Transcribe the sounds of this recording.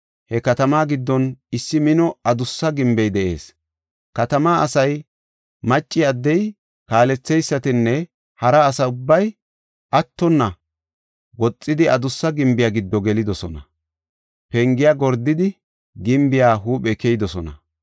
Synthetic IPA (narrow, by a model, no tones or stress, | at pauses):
hɛkɐt̪ɐmaːɡɪd̪ːɔnɪsːɪmɪnɔɐd̪ʊsːɐɡɪmbɛjd̪ɛʔe̞ːs | kɐt̪ɐmaːʔɐsɐj | mɐt͡ʃʼːɪɐd̪ːɛj | kaːlɛt͡sːɛjsːɐt̪ɪnːɛ | hɐɾɐːsɐʊbːɐj | ʔɐt̪ːɔnːɐ | wɔt͡sʼːɪd̪ɪɐd̪ʊsːɐɡɪmbɪjaːɡɪd̪ːɔɡɛlɪd̪ɔsɔnɐ̰ | pɛŋɡɪjaɡɔɾd̪ːɪd̪ɪ | ɡɪmbɪjaːɦuːpɛkɛjd̪ɔsɔnɐ̰